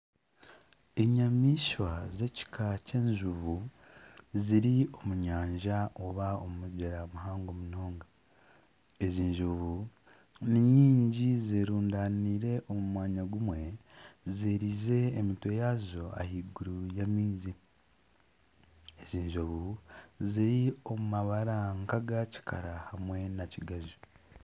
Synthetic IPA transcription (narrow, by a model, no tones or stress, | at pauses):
eɲamiʃwaze̞ci̥kʰace̞ːɲʒuβu | ziɾio̞muɲaːɲʒaoβaomumuɟeɾamuɦaːŋɡomuno̞ːŋɡa | eziːɲʒoβu | niɲiːɲɟizeɾuːndaniːɾe̞ʔomumwaːɲaɡumwe̞zeːɾize̞ːmitwe̞jaːzo̞a̰hiɡuɾujamiːzi | eziːɲʒoβuziɾio̞mumaβaɾaŋkaɡaci̥kʰa̰ɾahamwe̞naciɡazu